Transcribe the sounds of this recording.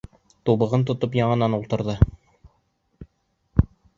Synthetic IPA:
t̪uβɤ̆ʁɤnt̪ŏt̪opjɑɴɤ̆nɑnulˠt̪ɤ̆ɾðɤ

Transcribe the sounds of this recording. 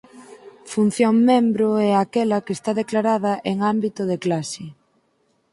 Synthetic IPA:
fun̟θjoŋmembɾoɛakɛlɐkest̪aðeklaɾaðɐʔeŋambit̪ʊðeklasɪ

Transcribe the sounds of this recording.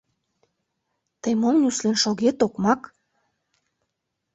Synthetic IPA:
t̪əjmomnʲyslenʃoɣet̪okmɑk

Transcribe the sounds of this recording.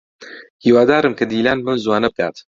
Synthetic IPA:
hiːwaːd̪aːɾɨmkʰɐd̪iːlaːnmɨnzwaːnɐb̚kʰa̰ːt̪

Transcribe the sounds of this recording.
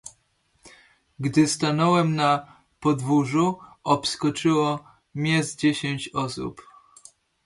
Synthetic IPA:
ɡd̪ɘst̪anɔwɛmna | pɔd̪vuʐuɔpskɔt͡ʂɘwɔ | mʲɲɛzd͡ʑeɕeɲt͡ɕɔsṵp

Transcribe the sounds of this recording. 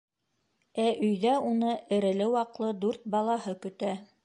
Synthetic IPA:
æʔɵ̆jðæunɤʔɘ̆ɾɘ̆lɘwɑqlˠɤd̪ʉɾt̪̚bɑlˠɑhɤkɵ̆t̪æ

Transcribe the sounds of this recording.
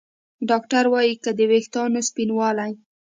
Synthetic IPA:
ɖɑk̚ʈaɾwɑjikəd̪əwext̪ɑnospinwɑlaj

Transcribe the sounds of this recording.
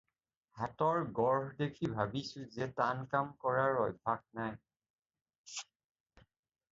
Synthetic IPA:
hatɔɹɡɔɹɦdekʰibʱabisʊzɛtankamkɔɹaɹɔjbʱaɡ̚naj

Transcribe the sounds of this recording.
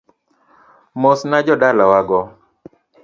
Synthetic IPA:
mosnad͡ʒɔdalawaɡɔ

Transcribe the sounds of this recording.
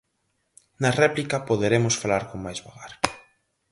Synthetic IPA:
nɐrɛplikɐpoðeɾemʊsfalaɾkoŋmajzβaɣaɾ

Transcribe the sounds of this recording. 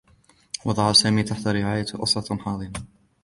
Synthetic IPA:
wʔɑd̪ˤɑʕɑsaːmiːt̪aħt̪aɾɪʕaːjaʔɑ̰sˤɑħɑːðˤɨma

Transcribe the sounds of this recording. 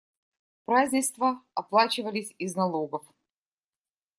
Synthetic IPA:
pɾazʲnʲɪst̪vəɐplˠat͡ɕɪvəlʲɪsʲɪznɐlˠoɡəf

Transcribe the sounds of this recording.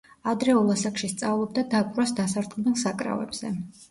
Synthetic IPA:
ad̪ɾɛulˠasakʃist̪sʼavlˠɔb̚d̪ad̪akʼɾwasd̪asaɾd̪qʼnɛlˠsakʼɾa̰vɛ̰bz̥ɛ

